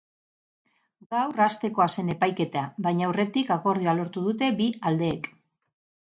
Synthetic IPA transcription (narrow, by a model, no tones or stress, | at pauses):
ɡawrast̪e̞ko̞ase̞ne̞pajke̞t̪aβajɲawre̞t̪ikako̞ɾðioalo̞ɾt̪uð̞ut̪e̞biald̪e̞ːk